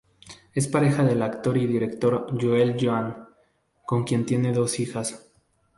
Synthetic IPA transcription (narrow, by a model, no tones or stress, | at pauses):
e̞spaɾe̞xaðe̞lakt̪o̞ɾiðiɾe̞kt̪o̞ɾʝuelʝoaŋ | ko̞ŋkje̞nt̪je̞ne̞ðo̞sixas